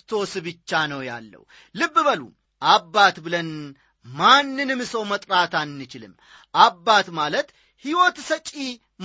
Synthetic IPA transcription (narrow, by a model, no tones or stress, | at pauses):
t̪ʰo̞sɨβɨt͡ʃːanəwja̰lːə̰w | lɨbːɨβəlṵ | ʔabːat̪bɨlən | manːɨnɨmɨsəwmət̪ʼɾat̪anːɨt͡ʃɪlɨ̰m | ʔabːat̪malət̪ | hiwɔt̪sət͡ʃʼi | m